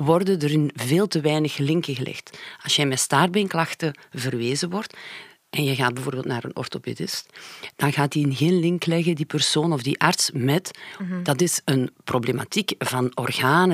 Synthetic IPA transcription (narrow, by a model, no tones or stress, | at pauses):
wɔrdədəɾɪnveːlˠtəʋɛːnəxlɪŋkəɣəlʔɪ̰xtɑlˠsjɛjmɛtstaːrbeŋklɑxtəvərʋeːzəwɔrt | ʔɛnjəɣaːtd̚bəvoːrbeːlˠtna̰ːɾə̰nɔ̰rtopḛdɪstd̥ɑnɣaːtiɪnɣeːnlɪŋklɛɣədipərsoːnɔvdiʔartsmɛtd̥ɑtɪsənproblema̰tikvɑnɔrɣaːnə